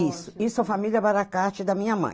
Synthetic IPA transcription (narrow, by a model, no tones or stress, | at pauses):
isʊisʊɛfamilʲɐbaɾakaɾt͡ʃɪd̪ɐmĩɲɐmɐ̰̃j̃